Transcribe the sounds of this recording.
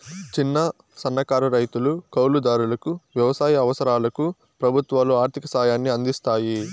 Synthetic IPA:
t͡ʃinːɐ | sɐnːɐkaːɾuɾɐjt̪ulukɐwlud̪aːɾulɐkuʋjɐʋɐsaːjɐɐʋɐsɐɾaːlɐku | pɾɐbʱut̪ʋaːluaːɾt̪ʰikɐsaːjaːnːiɐnd̪ist̪aːji

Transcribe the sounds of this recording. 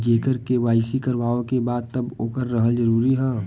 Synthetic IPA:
d͡ʒeːkəɾkeʋaːɪsikəɾʋaːõkebaːd̪̚t̪əboːkəɾːəɦəld͡ʒəɾuːɾiɦɛ̃ː

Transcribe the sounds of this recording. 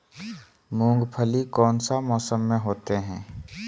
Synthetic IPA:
mũːŋɡpʰəlikɔːnsamɔːsəmːẽɦoːt̪eɦɛ̰̃ː

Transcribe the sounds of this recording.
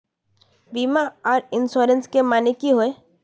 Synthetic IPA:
biːmaɔːɾɪnsoːɾə̃nskemaːnekiɦoe

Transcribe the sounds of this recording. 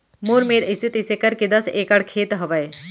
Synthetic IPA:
muːɾmeːɾisit̪isekɐɾkid̪ɐseːkɐɽkʰeːt̪ɦɐʋɐj

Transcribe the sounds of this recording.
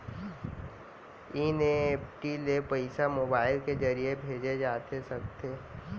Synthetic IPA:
ineeːpʈilepəɪsamoːbaːɪlkezɐɾiebʱeːd͡ʒed͡ʒaːt̪esɐk̚t̪eː

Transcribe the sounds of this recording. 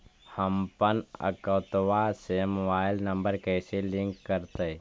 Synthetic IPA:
həmpənə̰kəːt̪ʋasemobaːɪlnə̃mbəɾkɛːselɪ̃ŋkːəɾt̪e

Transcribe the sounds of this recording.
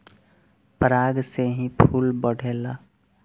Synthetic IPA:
pəɾaːɡseɦĩpʰuːlbəɽ̤ʱeːla

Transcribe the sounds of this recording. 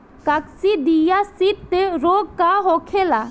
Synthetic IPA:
kaksid̪ijasit̪ːɛɾoɡ̚kaɦɔkʰɛla

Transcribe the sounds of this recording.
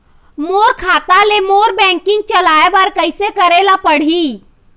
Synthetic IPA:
moːɾkʰaːt̪alemoːɾbɛ̃ːŋkɪ̃ŋɡ̚t͡ʃəlaːebaɾkəɪsekəɾelapəɽ̤i

